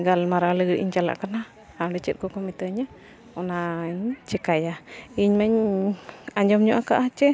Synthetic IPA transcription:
ɡalmaɾaləɡɾʔḭɲt͡ʃala̰ʔkana | aɖɛt͡ʃət̪̚kɔkɔmit̪əɲa | ɔnaiɲt͡ʃɛkajaiɲmaɲ | aɲd͡ʒɔmɲɔʔakaʔat͡ʃɛ

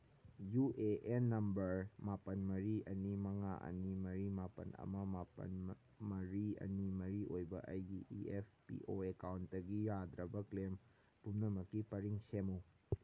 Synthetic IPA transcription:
juʔeʔenːɐmbɐɾmapɐnmɐɾiɐnimɐŋa̰ʔɐ̰nimɐɾimapɐ̰nɐ̰mɐmapɐ̰n | mɐɾiɐ̰nimɐɾiʔojbɐʔɐjɡiiep̚ʰpḭʔoekawntdɐɡijadɾɐbɐklem | pumnɐmɐkːipɐɾiŋsemɐw

